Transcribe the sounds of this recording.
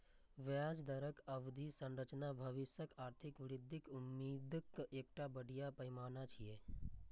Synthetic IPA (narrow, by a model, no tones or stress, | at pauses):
ʋaːd͡ʒd̪əɾəkəʋd̪ʱisə̃nɾət͡ʃnabʱəʋɪsjəkaːɾt̪ʰɪkʋɪɾɪd̪ʱːɪkʊmːiːd̪keːk̚ʈabəɽ̤ʱijapəjmaːnat͡ʃʰijeː